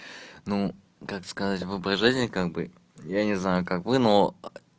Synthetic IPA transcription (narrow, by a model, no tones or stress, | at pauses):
nu | kakskɐzatʲvɨpɾɐʐɨzʲnʲɪkaɡ̚bɨ̰ | janʲɪznajʊkakvɨno